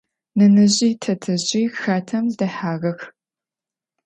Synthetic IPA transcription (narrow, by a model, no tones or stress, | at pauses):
nɨnɨʑiːtʰɐtʰɨʑʼiːxaːtʰɐmdɐħaːɣɐx